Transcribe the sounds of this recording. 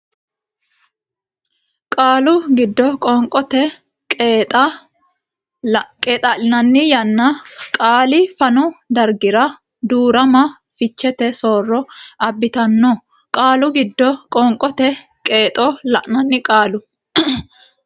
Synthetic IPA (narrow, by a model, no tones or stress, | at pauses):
kʼaːlʊɡɪd̪ːɔkʼɔŋkʼɔt̪ɛ | t̪ɐ | kʼeːt̪ʼɐlɪnɐnːɪjɐnːɐkʼaːlɪfɐnɔd̪ɐɾɡɪɾɐ | d̪uːɾɐmɐ | fɪt͡ʃːɛt̪ɛsoːrːɔɐbːɪt̪ɐnːɔ | kʼaːlʊɡɪd̪ːɔkʼɔŋkʼɔt̪ɛ | kʼeːt̪ʼɔlɐʔnɐnːɪkʼaːlʊ